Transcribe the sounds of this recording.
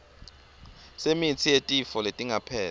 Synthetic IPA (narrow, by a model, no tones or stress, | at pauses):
semit͡sʰijetʼifɔletʼiŋapʰɛː